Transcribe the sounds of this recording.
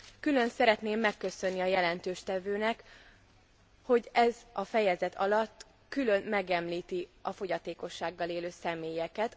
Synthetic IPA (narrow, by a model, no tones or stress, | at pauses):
kylø̞nsɛɾɛt̪neːmːɛkːø̞sø̞nːiɒjɛlɛnt̪øːʃt̪ɛvøːnɛk | ho̞ɟɛzɒfɛjɛzɛt̪ʰɒ̰lɒt̪ː | kylø̞nmɛɡɛmliːt̪iɒfo̞ɟɒt̪eːko̞ʃːaːɡːɒleːløːsɛmeːjɛkɛt̪